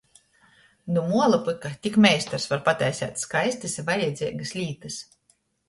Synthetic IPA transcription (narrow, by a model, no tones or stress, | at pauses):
numuɔlˠɨpɨkat̪ʲikmʲɛjst̪aɾsvaɾpat̪ʲɛjsʲæ̰ːt̪skajst̪ɨsʲvajɛd̪zʲiɛɡɨslʲiːt̪ɨs